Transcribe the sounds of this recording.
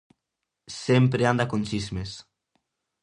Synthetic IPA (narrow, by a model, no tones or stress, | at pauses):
sempɾeand̪akont͡ʃizmes